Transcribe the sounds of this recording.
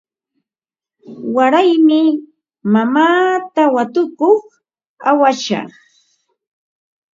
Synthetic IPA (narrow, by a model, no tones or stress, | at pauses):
waɾajmɪ | mamaːt̪awat̪ʊkoχ | awaʃɑ̰χ